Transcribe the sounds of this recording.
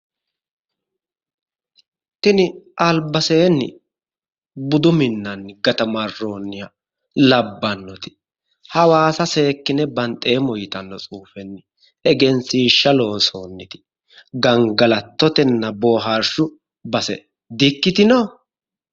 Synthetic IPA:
t̪ɪnɪʔɐlbɐseːnːɪ̰ | bʊd̪ʊmɪnːɐnːɪɡɐt̪ɐmɐrːo̞ːnːɪjɐ | lɐbːɐnːɔt̪ɪ̥ | hɐwaːsɐse̞ːkːɪnɛbɐnt̪ʼːeːmɔjɪt̪ɐnːɔt͡sʼuːfɛnːɪ | ɛɡɛnsiːʃːɐlo̞ːso̞ːnːɪt̪ɪ̥ | ɡɐŋɡɐlɐt̪ːɔt̪ɛnːɐbo̞ːɦaɾʃʊ | bɐsɛ̰ | d̪ɪkːɪt̪ɪno

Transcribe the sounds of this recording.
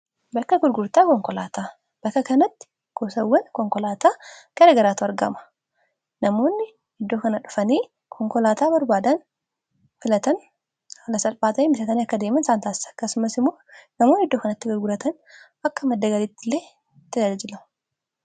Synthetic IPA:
bɐkːɐɡʊɾɡʊɾt̪aːkɔŋkɔlaːt̪ʰaː | b̥ɐkːɐkɐnɐt̪ːɪ̥ | ɡ̥osɐwːɐnkɔŋkɔlaːt̪aːɡ̥ɐɾɐɡɐɾaːt̪ʊɐɾɡɐ̰mɐ̥ | nɐmo̞ːnːɪ | hɪd̪ːoːkɐnɐᶑʊ̥fɐniː | kʰɔŋkɔlaːt̪aːbɐɾbaːd̪ɐn | fɪlɐt̪ɐn | hɐlɐsɐlfaːt̪ɐniːmɪsɐt̪ɐniːɐkːɐd̪eːmɐnsaːnt̪aːsɪ̥sɐ̥kːɐsʊmɐsɪmːoːnɐmoːnːɪhɪd̪ːoːkɐnɐt̪ːɪɡʊɾɡʊɾɐt̪ɐn | ɐkːɐmɐd̪ːɐɡɐlit̪ːɪlːeː | t̪ːɪd̪ɐd͡ʒɐd͡ʒɪlɐmɐ

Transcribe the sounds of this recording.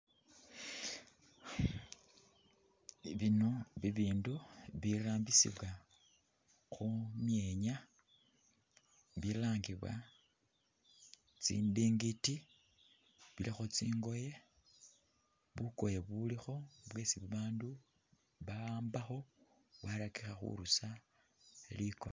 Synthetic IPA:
βino̞βiβiːnduβiraːmbisḭβwa | xumje̞ɲa | βilaːŋɡiβwa̰ | t͡sḭːndiːŋɡiti | βilixo̞t͡siːŋɡo̞je̞ | βuko̞jeβulixo̞βwe̞ːsiβuβaːndu | βaaːmbaxo̞ | βwalakixaxṵɾusa | liko̰

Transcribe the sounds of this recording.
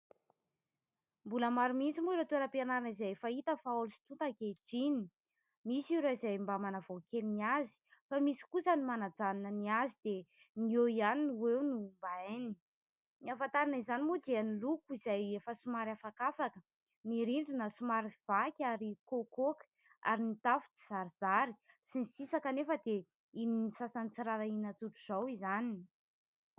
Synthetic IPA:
mbuləmaɾumint͡simuiɾot̪ueɾapianaɾanizajfait̪əfaolusi̥t̪ut̪akeʈ͡ʂini | misiɾoizajmbamanavokeliniazi̥famisi̥kusənimanad͡zaninəniazid̪e | nieianinwewnumbaeni | niafant̪aɾanizanimud̪eanilukuizajefəsumaɾafakafakə | niɾiɳɖ͡ʐinəsumaɾiv̥akʲaɾikokokə̥ | a̰ɾinit̪afut͡si̥z̥aɾiz̥aɾi | sinisisakənefəd̪e | ininisasanit͡siɾaɾainət̪uʈ͡ʂuz̥awizanin

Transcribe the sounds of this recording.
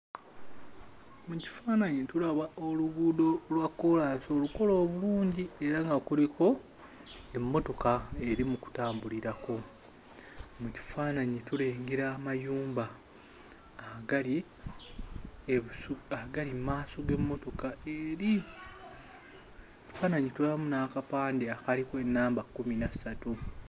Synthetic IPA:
muci̥faːnaɲitulaβaʔoluβuːdo̞lwakːo̞laːso̞ːluko̞lo̞ːβuluːɲɟie̞ɾaŋɡakulikʰo̞ | e̞mːo̞to̞kae̞ɾimuku̥taːmbuliɾako̞ | muci̥faːnaɲituleːŋɡeɾaːmajuːmbaː | haɡali | euahaɡalimːaːsoɡe̞mːo̞to̞kaʔeɾi | ci̥faːnaɲitulamunaːkapaːndeakalikoe̞nːaːmbakːuminasatu

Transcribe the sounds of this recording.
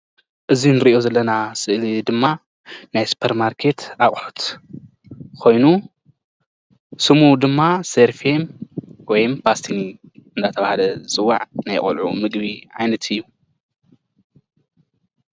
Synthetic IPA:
ʔɨzinɨɾiʔo̞zɐlːɐnasɨʔlid̪ɨmːa | najsu̥pʰeɾmaɾkʰe̞t̪akʼħut̪ | kʰo̞jnu | sɨmud̪ɨmːaseɾfemwɔjmpʰast̪ʰiniɨnd̪at̪ʰɐβahalɐt͡sʼɨwːa̰ʕnajχʼo̰lʕṵmɨɡβiʕa̰jnɐt̪ʰɨjːu

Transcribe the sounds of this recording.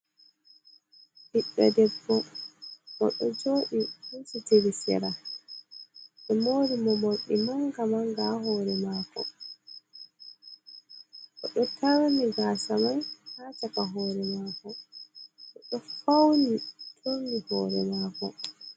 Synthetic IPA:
ɗiɓːɛdɛbːɔ | ʔɔ̰ɗɔd͡ʒoːɗihunsuteɾisɛ̰ɾa | ɓɛmoːɾimɔmoɗːimaŋɡamaŋɡahɔːɾɛmaːkɔ̰ | ʔɔɗɔtʰawamiɡasamajhaːt͡ʃakaɦɔːɾɛmaːkɔ | ʔɔɗɔfawnitʰomihɔːɾɛ̰maːkɔ̰

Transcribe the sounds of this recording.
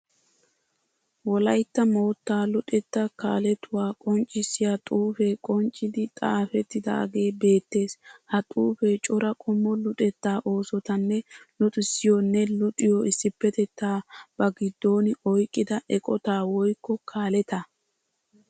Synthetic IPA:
wɔlɐjt̪ːɐmo̞ːt̪ːaːlʊᶑʼɛt̪ːɐka̰ːlɛt̪ʊwaːkʼɔnt͡ʃʼːɪsːɪjat̪ʼuːfeːkʼɔnt͡ʃʼːɪd̪ɪt̪ʼaːfɛt̪ːɪd̪ɐ̰ʔɐ̰ɡe̞ːbe̞ːt̪ːe̞ːshɐt̪ʼuːfeːt͡ʃʼɔɾɐkʼɔmːɔlʊᶑʼɛt̪ːaːʔo̞ːsɔt̪ɐnːɛlɔt̪ʼɪsːɪjɔnːɛlʊt̪ʼɪjɔɪsːɪpːɛt̪ɛt̪ːaːb̥ɐɡɪd̪ːo̞ːnɪɔjkʼːɪd̪ɐʔɛkʼɔt̪aːwɔjkːɔkʰaːlɛt̪a

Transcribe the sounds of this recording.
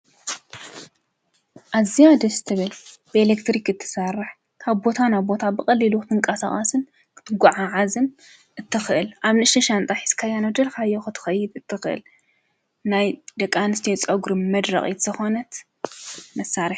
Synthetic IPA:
ʔazijad̪ɐsɨt̪ʰɨβɨl | b̥ɨelekt̪ɾikɨt̪ʰːɨ̥sarːɨħ | kʰaβbo̞t̪ʰanaβbo̞t̪ʰabɨkʼɐlːiluɨt̪ʰɨŋkʼɐsa̰χʼɐsɨn | kʰɨ̥t̪ʰɨɡʷaʕaʕazɨn | ʔɨt̪ʰːɨxɨʔɨlʔaβnɨʃɐʃant̪ʼaħi̥skʰajanod̪ɐlkʰajːɛxɨt̪ʰɨ̥xɐjːɪd̪ɨt̪ʰːɨxɨʔɨ̰l | najd̪ɐkʼːanɨst̪ʰijot͡sʼɐɡɾɨmmɐd̪ɾɐ̰χʼit̪z̥ɐxonɐt̪ | mɐsːaɾiħ

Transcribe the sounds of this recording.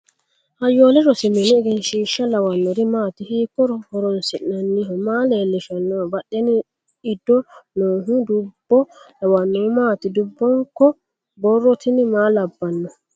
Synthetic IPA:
hajoːlɛɾɔsiminiːɡɛnʃiːʃalawanːɔɾimaːt̪ihiːkːɔɾɔhɔɾɔnsinanːiɦɔmalelːɛʃanːɔbaɗːɛni | idːɔnɔːɦudubːɔlawanːɔmaːt̪idubːɔŋkɔ | bɔrːɔt̪ʰinimalabːanːɔ

